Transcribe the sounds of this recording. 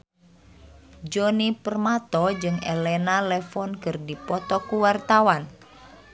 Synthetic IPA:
d͡ʒɔnipərmat̪ɔd͡ʒɨŋɛlɛnalɛfɔnkɨrdipɔt̪ɔkuwart̪awan

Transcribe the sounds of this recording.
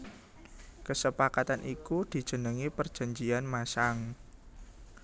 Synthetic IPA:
kəsəpakat̪anʔikud̪̥i̤̥ʒ̥ə̤nəŋipərd̥ʒ̥a̤ɲd͡ʒianmasaŋ

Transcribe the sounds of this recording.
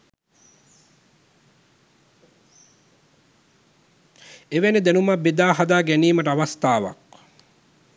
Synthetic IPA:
eʋened̪enumɐbid̪aːɦad̪aːɡæniːməʈəaʋɐst̪aːʋɐ̰k̚

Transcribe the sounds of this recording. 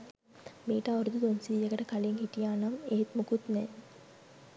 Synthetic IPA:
miːʈaːoɾud̪ud̪onsiːjɐɡɐʈɐkɐliŋhiʈijaːnameːt̪mukut̪nɛː

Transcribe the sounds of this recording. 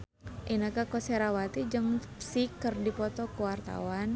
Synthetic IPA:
ʔinakakɔseɾawat̪id͡ʒəŋ | sikərdipɔt̪ɔkuwart̪a̰wan

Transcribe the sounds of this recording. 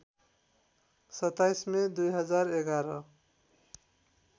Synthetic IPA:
sʌt̪ːajsmed̪ujɦʌd͡zaɾeɡaɾʌ

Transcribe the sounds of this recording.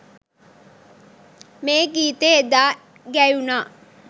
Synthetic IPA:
meːɡiːt̪eed̪aː | ɡæjunaː

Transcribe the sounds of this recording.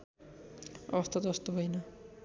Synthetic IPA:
ʌ̰bʌst̪ʰat̪ʌst̪obʱʌjnʌ

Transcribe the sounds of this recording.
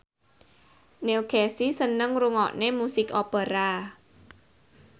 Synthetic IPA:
nelkɛsisənəŋɾuŋɔ̰ʔnemusɪkopəɾa

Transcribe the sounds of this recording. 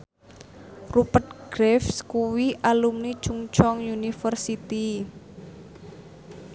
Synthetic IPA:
rupət̪̚ɡ̥ɾɛfskuwiʔalumni̥t͡ʃuŋt͡ʃɔŋjunifərsit̪i

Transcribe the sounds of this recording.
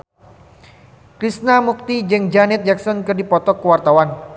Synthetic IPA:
kɾisnamuk̚t̪id͡ʒɨŋd͡ʒanɪt̪̚d͡ʒaksɔnkɨrdipɔt̪ɔkːəwart̪awan

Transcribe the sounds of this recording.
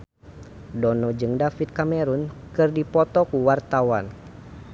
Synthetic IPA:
dɔnɔd͡ʒɨŋdafit̪̚kamɛɾunkɨrdipɔt̪ɔkuwart̪awan

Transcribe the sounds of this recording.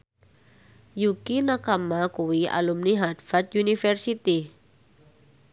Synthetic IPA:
jukinakamakuwiʔa̰lumniɦad̪fat̪̚junifɛrsit̪i

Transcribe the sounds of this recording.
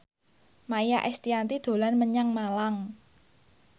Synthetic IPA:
majaʔɛst̪iant̪id̪̥o̤lanməɲaŋmalaŋ

